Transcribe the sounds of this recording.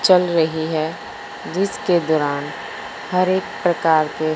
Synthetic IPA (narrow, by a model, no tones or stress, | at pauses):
t͡ʃəlɾəɦiɦɛ | d͡ʒɪsked̪ɔːɾaːn | həɾeːk̚pɾəkaːɾke